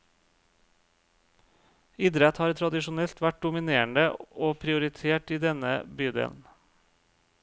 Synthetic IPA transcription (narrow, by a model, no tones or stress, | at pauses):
ɪd̪ɾɛt̪hɑːɾt̪ʰɾɑd̪ɪʃʊnɛlt̪ʋæʈ̚d̪ʊmɪneːəɳɖəoːpʰɾɪʊɾɪt̪ʰeːʈiːd̪ɛnəbyːd̪ḛːln̩